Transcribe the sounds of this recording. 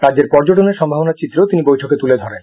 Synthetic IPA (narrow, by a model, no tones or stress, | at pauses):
ɾad͡ʑd͡ʑeɾpɔɾd͡ʑoʈoneɾʃɔmbʱabonaɾt͡ɕit̪ːɾot̪inibojʈʰoket̪uled̪ʱɔɾen